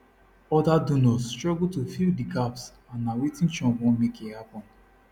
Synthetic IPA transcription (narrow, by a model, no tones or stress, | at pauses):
ɔdadonɔstɹɔɡutofildiɡaps | ãnawitĩnt͡ʃɔ̃nwɔ̃mekehapɔ̃n